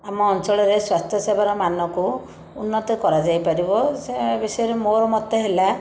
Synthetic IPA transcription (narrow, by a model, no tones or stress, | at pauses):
amɔːnt͡ʃɔɭɔɾeswast̪ʰjɔsebʱaɾɔmanɔku | unːɔt̪ɔkɔɾad͡ʒajpaɾibɔsebesɔɔɾemoɾɔmɔt̪ɔɦela